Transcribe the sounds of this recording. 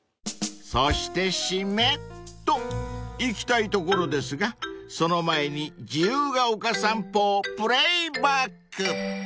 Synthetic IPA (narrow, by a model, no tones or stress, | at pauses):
soɕi̥t̪e̞ɕimett̪ːo̞ikʲi̥t̪ait̪o̞ko̞ɾo̞d̪e̞sɨɡaso̞no̞mae̞ɲ̟id͡ʑijɯːɡaokasãmpoːpɯ̟ɾeibakːɯ